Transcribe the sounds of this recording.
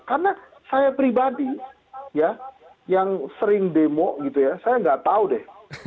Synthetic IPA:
karna | sajapɾibadi | ja | jaŋsəɾɪŋdemɔʔɡit̪ujasajaŋɡaʔt̪audɛh

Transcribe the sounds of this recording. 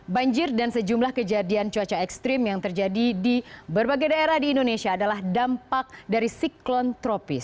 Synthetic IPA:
baɲd͡ʒɪrdansəd͡ʒumlahkəd͡ʒadiant͡ʃuat͡ʃaɛkst̪ɾɪmjaŋt̪ərd͡ʒadidibərbaɡajdaeɾahdiːndonesiaːdalahdampak̚daɾisiklɔnt̪ɾɔpɪs

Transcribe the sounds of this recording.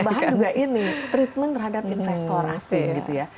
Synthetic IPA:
baɦand͡ʒuɡaʔinit̪ɾit̪̚mənt̪ərɦadap̚infɛst̪ɔra̰sɪnɡit̪uja

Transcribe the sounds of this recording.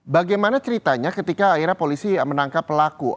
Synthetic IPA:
baɡajmanat͡ʃəɾit̪aɲakət̪ikaːiɾapolisimənaŋkapːəlakṵ

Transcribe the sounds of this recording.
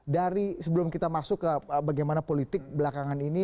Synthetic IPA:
daɾisəbəlʊmkit̪amasʊkːəbaɡajmanapolit̪ɪk̚bəlakaŋanini

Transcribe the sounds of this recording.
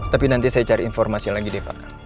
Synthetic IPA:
t̪apinant̪isajat͡ʃaɾiinfɔrmasilaɡidepa̰k

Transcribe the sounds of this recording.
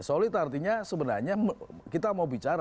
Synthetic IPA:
solɪt̪art̪iɲasəbənarɲakit̪amaubit͡ʃaɾa

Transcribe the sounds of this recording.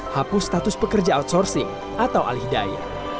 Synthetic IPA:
hapʊst̪at̪ʊspəkərd͡ʒaat̪̚sɔrsɪŋ | ʔat̪awʔa̰lhidaja̰

